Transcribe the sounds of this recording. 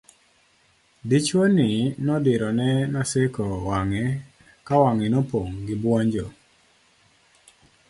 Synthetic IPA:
dit͡ʃwonɪnɔdɪɾɔnɛnasɪkɔwaŋɛ | kawaŋɪnɔpoŋɡɪbwɔɲd͡ʒo

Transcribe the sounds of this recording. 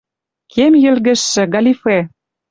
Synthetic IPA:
kʰemjɘ̆lɣɘ̆ʃːɘ̆ɡɑlʲife

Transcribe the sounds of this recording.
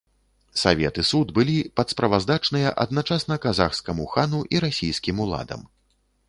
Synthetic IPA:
savʲɛ̰t̪ɨsud̪bɨlʲipɐt̪spɾɐvazd̪at͡ʂnɨjɐʔɐ̰d̪̚nat͡ʂasnɐkazaxskɐmuxanuʔiɾasʲijskʲimulˠa̰d̪ɐ̰m

